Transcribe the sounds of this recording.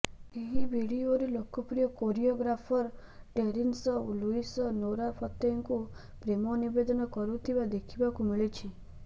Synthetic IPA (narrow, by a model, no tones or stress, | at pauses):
eɦibʱiɽioɾelokɔpɾijɔkoɾioɡɾapʰɔɾ | ʈeɾinsɔoluisɔnoɾapʰɔt̪eŋku | pɾemɔnibed̪ɔnɔkɔɾut̪ʰibad̪ekʰibakumiɭit͡ʃʰi